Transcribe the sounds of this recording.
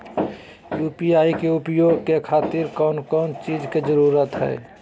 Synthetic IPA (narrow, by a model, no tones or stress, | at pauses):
juːpiaːikeʊpjoːɡ̚kekʰaːt̪ɪɾkɔːnkɔːnt͡ʃiːd͡ʒked͡ʒəɾuɾət̪ɦɛ̰ː